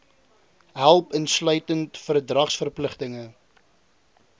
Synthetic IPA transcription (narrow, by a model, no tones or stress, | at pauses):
ɦælˠpənslœɥtəntfərdrɐχsfərpləχtəŋə